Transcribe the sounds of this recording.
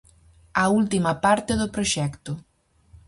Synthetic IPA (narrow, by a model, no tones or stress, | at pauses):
ɐult̪imɐpaɾt̪eðopɾoʃɛkt̪ʊ